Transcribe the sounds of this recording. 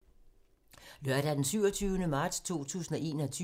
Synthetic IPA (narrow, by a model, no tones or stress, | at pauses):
lɶɐ̰ɾ̥æd̥ensyʊɒt͡sʰyːʊnəmɑ̈ːd̥st͡sʰo̝̰ːt͡sʰṵːsn̩ɒ̽ʔe̝̰ːnɐɒt͡sʰy